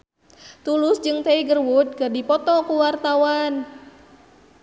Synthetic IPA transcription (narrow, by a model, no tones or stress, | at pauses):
t̪ulʊsd͡ʒɨŋt̪eiɡərwut̪̚kərdipɔt̪ɔkuwart̪awan